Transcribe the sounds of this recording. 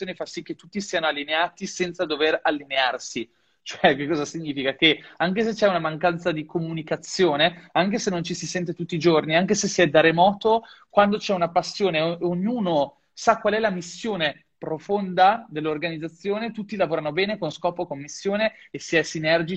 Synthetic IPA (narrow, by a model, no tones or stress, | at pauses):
joːnefasik̟ːet̪ːut̪ːisiːanoalːineaːt̪isɛnt̪sad̪overalːinearsi | t͡ʃoɛk̟ekːɔːzasiɲːiːfikakeaŋkes̬et͡ʃɛunamaŋkant̪sad̪ikomunikat̪sːjoːneaŋkesenont͡ʃisisɛnt̪̬et̪ut̪ːid͡ʒorniaŋkesesiɛd̪aɾemɔːt̪o | kwand̪ot͡ʃɛunapasːjoːneoɲːuːno | sakːwalɛlamisːjoːne | pɾofond̪ad̪elːorɡanid̪zat̪sːjoːnet̪ut̪ːilavoːɾanobɛːnekonskɔːpokomːisːjoːneːsiɛsinɛrd͡ʒi